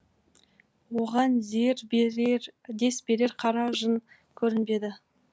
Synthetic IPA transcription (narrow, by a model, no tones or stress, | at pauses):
wo̞ʁɑnzeɾ | d̪e̞sbe̞ɾe̞ɾqʰɑɾɑʒən | kʲʰɵɾɪnbe̞d̪ɪ